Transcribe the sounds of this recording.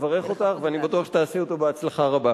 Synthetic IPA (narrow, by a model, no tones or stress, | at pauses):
vaʁe̞χo̞t̪aχveanibatuaχʃet̪aːseot̪obeat͡slaχaʁaba